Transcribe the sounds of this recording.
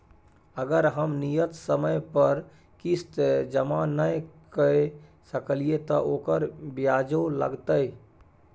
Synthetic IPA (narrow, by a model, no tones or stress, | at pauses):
əɡəɾɦəmnijət̪səməjpəɾ | kist̪ed͡ʒəmanəjkəe | səkəliet̪ɔʔoːkəɾbjad͡ʒolə̰ɡt̪əj